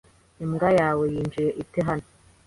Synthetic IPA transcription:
imɡajaːwejiːnd͡ʒiɾeʔiteɦano

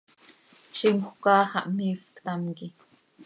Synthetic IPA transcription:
ʃimxʷkɑːxɑ̰ʔmifkt̪amki

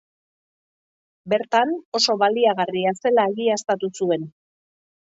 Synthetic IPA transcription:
be̞ɾt̪ano̞so̞βaliaɣ̞ariase̞laeɣiast̪at̪usue̞n

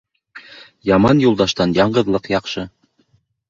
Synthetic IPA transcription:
jɑmɑnjulˠd̪ɑʃt̪ɑnjɑɴɢɤ̆ðlˠɤqjɑqʃɤ

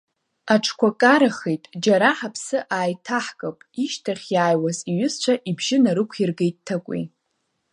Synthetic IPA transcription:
aʈ͡ʂʰkʷakʼaɾaχejtʼd͡ʒaɾaħapʰsɨʔaːjtʰaħkʼapʼiʃtʰaχʲjaːjwaziɥʊst͡ʃʷʰaʔibʒɪnaɾɨkʷʰirɡejttʰːakʷʼḭ

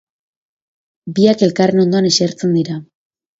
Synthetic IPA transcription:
biake̞lkare̞no̞nd̪o̞aneseɾt͡se̞nd̪iɾa

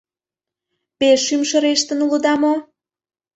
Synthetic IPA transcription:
peʃːymʃə̆ɾeʃt̪ə̆nulod̪ɑmo

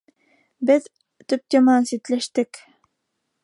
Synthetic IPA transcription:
bɘð | t̪ɵp̚t̪emɑnsit̪læʃt̪ɘk

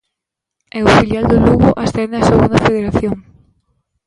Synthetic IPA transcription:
eʊfiljald̪ʊluɣʊʔasθɛnd̪ɪaseɣund̪afeðeɾaθjoŋ

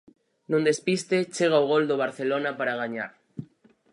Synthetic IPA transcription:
nũnd̪espist̪et͡ʃeɣ̞auɣ̞old̪oβ̞aɾθelonapaɾaɣ̞aɲa̰ɾ

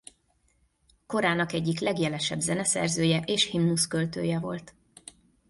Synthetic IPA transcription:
ko̞ɾaːnɒkɛɟːiklɛɡjɛlɛʃɛbzɛnɛsɛ̰rzøːjɛʔeːʃhimnuskø̞lt̪ø̰ːjɛvo̞lt̪

